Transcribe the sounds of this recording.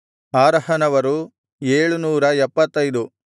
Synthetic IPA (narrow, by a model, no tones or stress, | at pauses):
aːɾɐhɐnɐʋɐɾu | eːɭunuːɾɐɛpːɐt̪ːɐjd̪u